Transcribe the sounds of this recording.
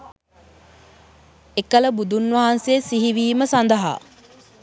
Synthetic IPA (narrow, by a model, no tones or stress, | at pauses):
ekələbud̪unʋɐɦanseːsiɦiʋiːməsand̪əɦa̰ː